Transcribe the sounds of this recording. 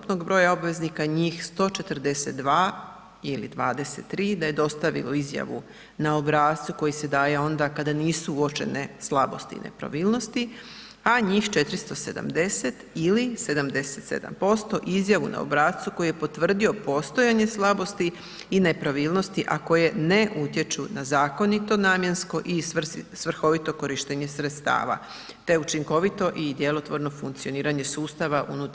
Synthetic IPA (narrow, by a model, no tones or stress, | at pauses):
upno̞ɡbɾo̞ːjao̞bʋe̞znikaɲiːxst̪o̞t͡ʃet̪r̩d̪eset̪̚d̪ʋaː | ilḭd̪ʋaːd̪e̞set̪ːɾiːd̪aje̞d̪o̞st̪aʋḭlo̞izja̰ʋṵ | nao̞bɾaːt̪t̪suko̞jised̪aːjeo̞nd̪akad̪aniːsuuot͡ʃe̞̰neslˠabo̞̰st̪ḭːnḛpɾa̰ʋiːlˠno̞st̪i | aɲiːxt͡ʃet̪ɾist̪o̞se̞d̪a̰md̪e̞set̪ilise̞d̪amd̪e̞se̞t̪sḛd̪a̰mpo̞st̪o̞ʔizjaʋuna̰o̰bɾaːt̪t̪suko̞jije̞po̞t̪ʋr̩d̪io̞po̞ːst̪o̞jaɲe̞slˠabo̞st̪iː | ne̞pɾaʋiːlˠno̞st̪iʔako̞je̞ne̞ʔut̪je̞t͡ʃunazaːko̞nit̪o̞naːmje̞nsko̞ʔisʋr̩xo̞ʋit̪o̞ko̞ɾiʃt̪eɲe̞sɾet̪st̪a̰ːʋa̰ | t̪e̞ut͡ʃiŋko̞ʋit̪o̞ʔid̪je̞lo̞t̪ʋo̞ɾno̞fuŋk̚t̪sio̞niːɾaɲe̞suːst̪aʋaʔṵnut̪